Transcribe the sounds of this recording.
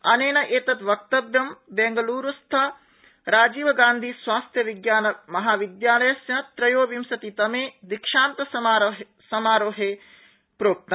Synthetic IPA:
ɐneːnɐʔeːt̪ɐt̪ʋɐk̚t̪ɐʋjɐmbeŋɡɐluːɾust̪ʰɐ | ɾaːd͡ʒiːʋɐɡaːnd̪ʱisʋaːst̪ʰjɐʋiɡjaːnɐmɐɦaːʋid̪jaːlɐjɐsjɐt̪ɾɐjoːʋimsɐt̪it̪ɐmeːd̪ikʂaːnt̪ɐsaːɾɦ | sɐmaːɾoːɦeː | pɾoːk̚t̪ɐ

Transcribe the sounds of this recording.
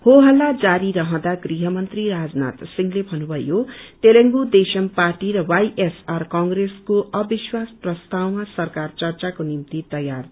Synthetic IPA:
hoɦʌlːad͡zaɾiɾʌɦʌ̃d̪aɡriɦʌmʌnt̪riɾad͡zna̰t̪siŋɡlebʱʌnubʱʌjot̪eleŋɡud̪esʌmparʈiɾʌwajʔesarkʌŋɡreskoʔʌbiswasprʌst̪awmasʌrkart͡sʌrt͡sakonimt̪it̪ʌjar

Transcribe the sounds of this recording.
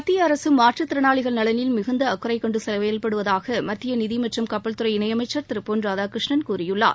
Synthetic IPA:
mɐt̪ːɪjɐːɾɐsɯmːaːʈrɐt̪ɪɾɐnaːɭɪɣɐɭnɐɭɐnɪlmɪɣɯnd̪ɐːkːɯɾɐɪkːɔɳɖɯsɛlɐʋɐjɐlpɐɽɯʋɐðaːɣɐmɐt̪ːɪjɐnɪðimɐʈrɐmkɐpːɐɭt̪ɯɾɐɪɪnɐjɐmɐɪt͡ʃːɐɾt̪ɪɾɯpːoːnɾaːðaːkɾɪʂɳɐnkuːɾɪjɯɭːa̰ː

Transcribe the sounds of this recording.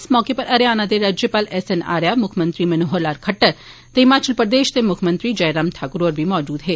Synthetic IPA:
smɔːkepɐɾɐɾjaːnad̪eɾɐd͡ʒjəpɐlɛsena̰ːɾjamʊkʰmɐ̃nt̪ɾimɐnoɦoɾlaːɾkʰɐʈːəɾ | t̪eɦɪmaːt͡ʃəlpɾd̪eːʃt̪emʊkʰmə̃nt̪ɾid͡ʒɐjɾamʈ̪ʰaːkʊɾoːɾbʱimɔːd͡ʒuːd̪ɦeː

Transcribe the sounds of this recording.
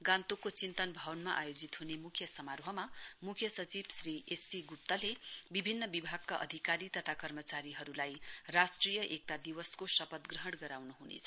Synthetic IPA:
ɡãnt̪okːot͡sint̪ʌnbʱʌwʌnmaʔa̰jod͡zit̪ɦunemukʰjʌsʌmarbʱʌmamukʰjʌsʌt͡sibsriʔesiɡup̚t̪ʌlebibʱinːʌbibʱaɡ̚kaʔʌ̰d̪ʱikaɾit̪ʌt̪ʰakʌrmʌt͡saɾiɦʌɾulajrasʈrijʌʔek̚ʈad̪iwʌskosʌpʌt̪ɡrʌɦʌɽɡʌɾawnuɦunḛt͡sʰʌ

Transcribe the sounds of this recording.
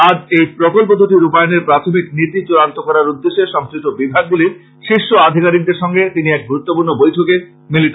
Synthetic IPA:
ad͡ʑejpɾokolpod̪uʈiɾupajoneɾpɾat̪ʰomikniɾd̪id͡ʑoɾant̪okɔɾaɾud̪ːeʃːeʃɔŋsɾiʃʈobibʱaɡ̚d̪ile | ʃiʃːoad̪ʱikaɾiɡ̚d̪eɾʃɔŋɡet̪iniɛk̚ɡuɾut̪ːopuɾnobojʈʰoke | miliʈa

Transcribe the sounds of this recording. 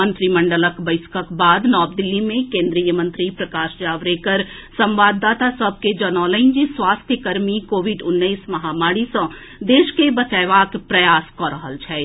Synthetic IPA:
ə̃nt̪ɾimɐ̃ɳɖələkbəɪskəkbaːd̪nɔːb̚d̪ɪlːimẽkẽːnd̪ɾijəmə̃nt̪ɾipɾɐkaːʃd͡ʒaːʋɾekəɾ | sɐ̃mʋaːd̪ːaːt̪asɐb̚ʱked͡ʒɐnɔːləɪnd͡ʒisʋaːst̪ʰjəkɐɾmikoːʋɪɖʊnːəismɐɦaːmaːɽisɐ̃ | d̪eːʃkebɐt͡ʃaːʋaːkpɾɐjaːskɔːɾəɦəlt͡ʃʰɛː

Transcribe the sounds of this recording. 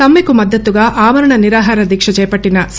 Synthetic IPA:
ɐmːikumɐd̪ʱːɐt̪ːuɡɐʔaːʋɐɾɐɳɐniɾaːɦaːɾɐd̪ikʂɐd͡ʒɐjpɐʈːinɐs

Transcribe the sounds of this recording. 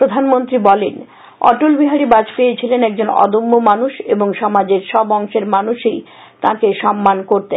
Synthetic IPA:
pɾod̪ʱanmont̪ɾibɔlen | ɔ̰ʈolbiɦaɾibãd͡ʑpejet͡ɕʰilenɛk̚d͡ʑonɔ̰d̪omːomanuʃeboŋʃɔmad͡ʑeɾʃɔbɔŋʃeɾmanuʃej | t̪ãkeʃɔmːankoɾt̪e

